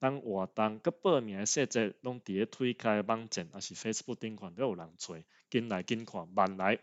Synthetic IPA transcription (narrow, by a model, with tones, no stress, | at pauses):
t̪a˦ŋwa˨˩t̪a˧ŋkə˦pə˥˧˨mj̃ã˨e˧se˥˧t͡sɛ˥˧˩t̚lɔ˦˥ŋt̪i˨e˦t̪ʰwi˦kʰa˧ba˦ŋt͡ɕɛ˨˩nʔa˨˩ɕi˨˩fe˦sə̥˧bu˥˧k̚t̪i˦ŋkʰwa˨nt̪o˦u˨˩la˨˦ŋt͡sʰwe˨˩˦ | ki˦nla˨˦jki˦nkʰwa˨˩nba˨˩nla˨˦j